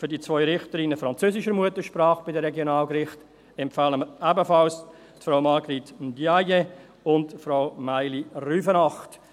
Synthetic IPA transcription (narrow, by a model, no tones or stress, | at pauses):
fyɾdit͡svɔʏɾɪχtəɾɪnəfɾɑnt͡søːsɪʃəɾmuətəʃpɾɑːχb̥ɪdəɾɛɡjonɑːlɡɾɪχt | ɛmpfaːləməɾæbəfɑls | tfɾaʊmɑɡɾiːtndjaje | ʊndfɾaʊmaɪliryːfənɑχt